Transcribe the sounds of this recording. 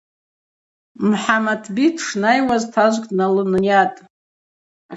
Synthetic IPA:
mħamatʰbitʰʂnajwaztʰaʒʷkʼnalɨnjatʼ

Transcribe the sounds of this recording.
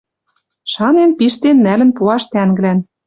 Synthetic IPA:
ʃɑnenpiʃt̪enːælɘ̆npuɑʃt̪æŋɡɘ̆læn

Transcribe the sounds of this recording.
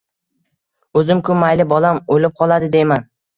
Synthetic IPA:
ɵzɪmkʰʊmːajlɪbɒlamolɪp̚qʰɒlˠad̪ɪd̪ejman

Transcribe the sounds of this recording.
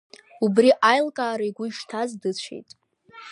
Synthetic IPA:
ubriʔajlkʼaːɾajɡʷʊiʂtʰazdɨt͡ɕʷʰḛjtʼ

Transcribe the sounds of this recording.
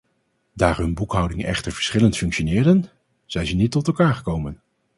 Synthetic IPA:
daːɹɦɵnbukɦʌwdɪŋnʔɛ̰χtəɹv̥ə̥ɹsχɪləntfɵŋkʃonɪːɹdən | z̥ɛjzɛnːitːɔtɛlˠkaːɹχəkowmən

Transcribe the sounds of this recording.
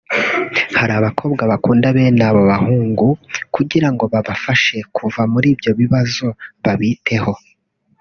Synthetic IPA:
haɾaːβakʰo̞ːbɡaβakuːndaβe̞ːnaβo̞βahuːŋɡukuɟiɾaŋɡo̞βaβafaʃe̞kʰuvamuɾiːbjo̞βiβazo̞βaβitʰe̞ho̞

